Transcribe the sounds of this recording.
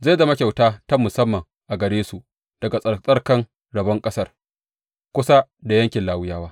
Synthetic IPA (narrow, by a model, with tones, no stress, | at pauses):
za˦˨da˨mɐ˦kʲa˨wtaː˦tɐ˦mʊ˨sɐ˦mːɐ˨ŋ | ʔa˨ɡɐ˨ɽeː˦su˨ʔ | d̥ɐ˨ɡa˨sʼɐ˨sʼɐ˦rkɐ˦n | ɽɐ˨bɐ˦ŋkʼɐ˦sɐ˦r | kʷʊ˦sa˦da˨jɐ˦ŋkʲɪ˨nlaː˨wʊ˦jaː˦waː˦